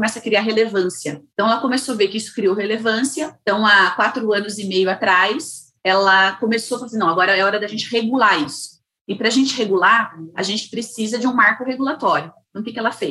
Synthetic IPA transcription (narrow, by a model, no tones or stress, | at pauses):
omɛsɐkɾiaɦelevɐ̃siɐ̃t̪ɐ̃w̃ɛlɐkõmesoaveɾkɪisʊ̥kɾioɦelevɐ̃siɐt̪ɐ̃w̃akwat̪ɾʊɐ̃nʊzɪmejʊat̪ɾajs | ɛlɐkomesofalsĩnɐ̃w̃aɡɔɾɐɛɔɾɐd̪ɐʒẽnt͡ʃɪheɡulaisʊ̥ | ɪpɾɐʒẽnt͡ʃɪɦeɡulaɾa̰ʒẽnt͡ʃɪ̥pɾesizɐd͡ʒɪũmaɾkʊheɡulat̪ɔɾjʊɐ̃w̃kɪkɪɛlɐfejs